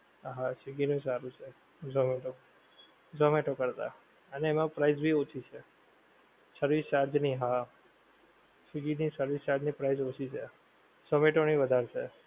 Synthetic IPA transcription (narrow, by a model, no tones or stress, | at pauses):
ɦãsiɡinũsaɾũt͡ʃʰe | d͡ʒomeʈo | d͡ʒomeʈokəɾt̪a̰ | əneːmãpɾaizbʱiot͡ʃʰit͡ʃʰe | səɾʋist͡ʃaɾd͡ʒniɦã | t͡ʃiɡinisəɾʋist͡ʃaɾd͡ʒnipɾaizot͡ʃʰit͡ʃʰe | səmeʈoñiʋəd̪ʱaɾt͡ʃʰe